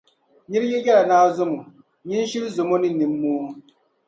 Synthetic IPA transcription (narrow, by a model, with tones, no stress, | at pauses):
ɲi˦ɾjɛ˦jɛ˦la˨naː˦zʊ˦mo˨ | ɲi˦n˦ʃi˦lzʊ˨mo˦nɨ˦ni˨mː˦oː˦